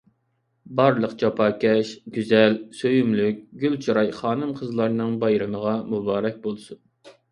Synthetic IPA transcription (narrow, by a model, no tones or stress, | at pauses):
bɑɾlˠəqt͡ʃʰɑpʰɑːkʲɛʃɡʲyzɛlsøjymlyk̚ʲɡʲylt͡ʃʰiɾɑjχɑːnɨmqʰəzlˠɑɾnɨŋbɑjɾɨməʁɑmubɑːɾɛk̚ʲbolˠsun